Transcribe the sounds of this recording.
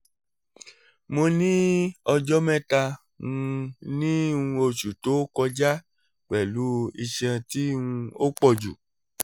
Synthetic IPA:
mo˧nĩ˦ɔ˧d͡ʒɔ˦mɛ̃˦ta˧ | ŋũ˧nĩ˦ũ˧o˧ʃu˨to˨˦kɔ˧d͡ʒa˦ | k͡pɛ˨lu˨˦i˧ʃɛ̃˧ti˦ũ˧o˦k͡pɔ˦˨d͡ʒu˨

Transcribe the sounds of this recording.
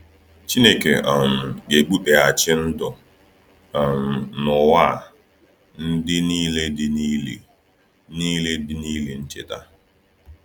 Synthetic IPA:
t͡ʃi˦ne˨ke˨ʔa˨m̩˨ɡe˨ɡ͡bu˦k͡pe˨a˨t͡ʃɪ˦n̩˦dʊ˨ | a˨m̩˨nʊ˨wa˦˨ | n̩˦dɪ˦niː˦le˦dɪ˦ni˦le˨ | niː˦le˦dɪ˦niː˦le˨n̩˦t͡ʃe˨ta˦

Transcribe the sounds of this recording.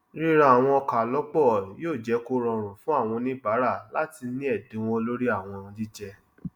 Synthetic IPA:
ɾi˦ɾa˦˨a˨w̃ɔ̃˧ɔ˧ka˨lɔ˨˦k͡pɔ˦˨joː˦˨d͡ʒɛ˨˦ko˦ɾɔ̃˧ɾ̃ũ˨fũ˦a˦˨w̃ɔ̃˧nĩ˦ba˨˦ɾa˦˨la˨˦ti˧nĩ˦ɛ˦˨dẽ˨˦w̃ɔ̃˦lo˦ɾi˦a˦˨w̃ɔ̃˧ũ˧di˦d͡ʒɛ˧

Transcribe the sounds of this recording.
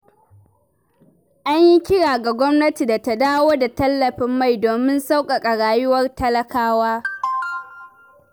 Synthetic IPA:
ʔa˦ɲji˦kʲɪ˦ɽaː˨ɡa˨ɡʷɔ˦mnɐ˦ti˨da˨ta˦daː˦woː˦da˨tɐ˦lːɐ˨ɸɪ˦mːa˦˨jdoː˨mɪ˦nsa˦wkʼa˨kʼɐ˨ɽaː˨jʊ˦wɐ˦rtɐ˦lɐ˦kaː˦waː˦

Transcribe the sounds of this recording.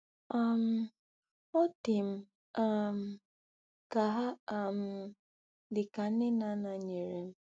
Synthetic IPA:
a˦m̩˦ | o˦tɪ˨m̩˦ | a˦m̩˦ | ka˨ɦa˦˨m̩˦ | dɪ˨ka˨˦ɪ˦na˦na˨˦ɲe˨ɾe˨m̩˦

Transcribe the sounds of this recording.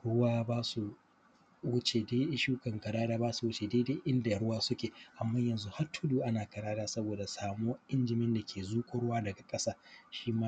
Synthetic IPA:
ɽʊ˦waː˦baː˦su˨ | wʊ˦t͡ʃeː˨deː˦ʔɪ˦ʃuː˦kɐ˨ŋkɐ˨ɽaː˦daː˦baː˦su˨wʊ˦t͡ʃe˨deː˦deː˦ʔɪ˦nda˨ɽʊ˦waː˦sʊ˦kʲeː˨ʔa˨mːaː˦jɐ˨nzu˦ha˦rtʰʊ˦duː˦ʔa˦naː˨kɐ˨ɽaː˦daː˦sɐ˦boː˨da˨saː˨moː˦ʔɪ˦nd͡ʒɪ˨mɪ˦nda˨kʲʰeː˨zuː˦kʷʼʊ˦ɽʊ˦waː˦dɐ˨ɡa˨kʼɐ˦saː˦ʃiː˦maː˦

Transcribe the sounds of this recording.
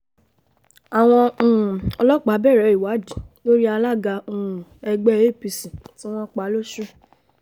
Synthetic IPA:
a˨w̃ɔ̃˧˦˨ɔ˧lɔ˦k͡pa˨˦bɛ˦˨ɾɛ˨˦i˨wa˨˦di˨lo˦ɾi˦a˧la˦˨ɡa˧ũ˦˨ɛ˧ɡ͡bɛ˦˨e˦˨pi˧sĩ˨tĩ˦ɔ̃˦k͡pa˨˦lo˦ʃɾi˦˨

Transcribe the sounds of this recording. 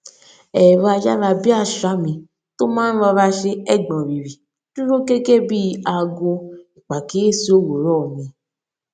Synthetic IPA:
ɛ˨ɾo˧a˧d͡ʒa˦la˧bi˦a˦˨ʃa˨˦mĩ˧ | to˦mãː˦n̩˦lɔ˧ɾa˧ʃe˧ɛ˦˨ɡ͡bɔ̃˨ɾi˨ɾi˨ | tu˦ɾo˦ke˦ke˦bi˦a˧ɡo˧i˨k͡pa˨ke˦e˦˨si˧˦o˦˨wo˨ɾɔ˦˨mĩ˨˧

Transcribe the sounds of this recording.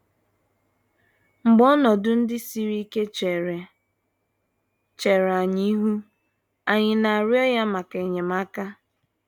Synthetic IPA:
ŋ͡m̩˨ɡ͡bɔ˦nɔ˨dʊ˦n̩˦dɪ˦si˦ɾi˦ke˦t͡ʃ | t͡ʃe˨ɾa˨ɲi˦ɦu˦ | a˨ɲɪ˨na˨a˨ɾjɔ˦ja˦ma˨ke˨ɲe˨ma˦ka˦

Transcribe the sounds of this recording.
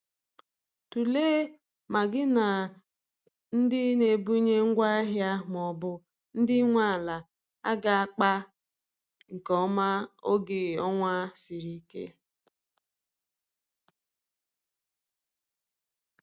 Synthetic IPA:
tu˨leː˦ | ma˨ɡɪ˦na˨ | n̩˦dɪ˦ne˨bu˦ɲe˦ŋ̩˦ɡʷa˦ɦja˦m˨ɔ˨bʊ˦ | n̩˦dɪ˦ŋʷa˦˨la˨ | a̰˦ɡa˨a˦k͡pa˦ | ŋ̩˨kɔ˦ma˦o˦ɡe˨ɔ˦ŋʷa˦si˨ɾi˦kḛ˦

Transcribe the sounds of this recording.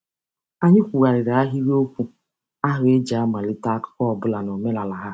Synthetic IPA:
a˦ɲɪ˦kʷu˨ɣa˨ɾɪ˨ɾa˨a˦ɦi˦ɾi˦o˦kʷu˦ | a˦ɦʊ˨˦e˦d͡ʒa˦ma˨lɪ˦ta˦kʊ̥˦kɔ˦ɔ˨bʊ˦la˨nɔ˨me˦la˨la˨ɦa˦

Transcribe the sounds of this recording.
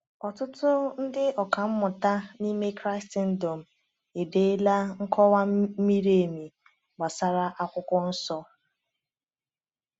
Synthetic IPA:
ɔ˨tʊ˦tʊ˦n̩˦dɪ˦ɔ˨ka˨m̩˦mʊ˨ta˦ni˦me˦kɾa˦ɪ˦sti˦n̩˦do˨m̩˨ | e˨de˨˦la˦ŋ̩˦kʰɔ˦wa˦mi˦ɾe˦˨e˨mi˨ | ɡ͡ba˨sa˦ɾa˦ʔa˦kʷʊ˦kʊ˦n̩˦sɔ˦

